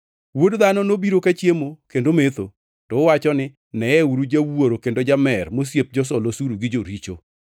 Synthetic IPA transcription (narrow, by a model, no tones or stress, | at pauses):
wodd̪anɔnobiɾokat͡ʃjemokendomet̪o | tɔwat͡ʃɔnɪ | nɛɛuɾud͡ʒawoɾokendod͡ʒamɛrmos̬jep̚d͡ʒɔs̬ɔlosuɾuɡɪd͡ʒoɾit͡ʃo̰